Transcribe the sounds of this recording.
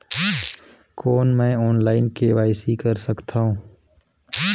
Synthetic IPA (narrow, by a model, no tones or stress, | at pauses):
koːnmɛ̃ːɔːnlaːɪnkeʋaːɪsikəɾsəkt̪ʰaːɦũː